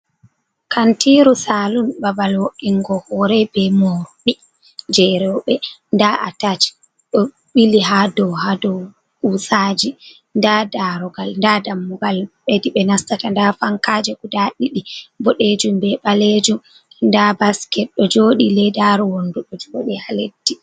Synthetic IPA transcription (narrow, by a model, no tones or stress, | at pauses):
kʰantiɾusaːlumbabalwoʔiŋɡɔhɔɾɛbɛmɔɾɔɗi | d͡ʒɛɾɛɓɛndaʔa̰tat͡ʃ | ɗɔ | ɓiliɦadɔwhadɔw | kusaːd͡ʒi | ndadaɾɔɡalndadamːuɡalɓediɓɛnastatandafaŋkaːd͡ʒɛkudaɗiɗibɔɗed͡ʒumbɛɓaled͡ʒum | ndabaskɛt̚ɗɔd͡ʒoːɗilɛdaɾɔwonduɗɔd͡ʒoɗihaledːi